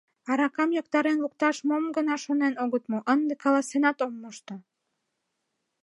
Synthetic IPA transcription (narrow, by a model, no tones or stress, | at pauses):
ɑɾɑkɑmjɑkt̪ɑɾenluk̚t̪ɑʃmomɡə̆nɑʃonenoɣət̪moʔənd̪ekɑlɑsenɑt̪omːoʃt̪o